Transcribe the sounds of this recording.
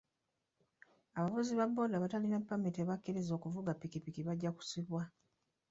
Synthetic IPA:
aβavuziβabːo̞ːdaβatalinapːamiteβakːiɾizo̞ːkuvuɡapːikipikiβaɟːaku̥siβwa

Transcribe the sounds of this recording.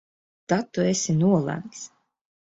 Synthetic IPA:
t̪at̪ːuesʲinuɔlˠæ̰mks

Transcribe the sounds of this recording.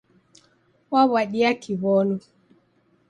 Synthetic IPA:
waβaɗiakʰiβɔnɔ

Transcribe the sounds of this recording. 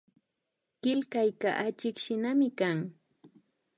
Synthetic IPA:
kɪlkajkaʔat͡ʃɪkʃɪnamɪkaŋ

